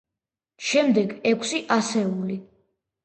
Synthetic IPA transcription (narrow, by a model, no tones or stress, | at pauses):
ʃɛmd̪ɛɡɛkʰsiʔasɛuli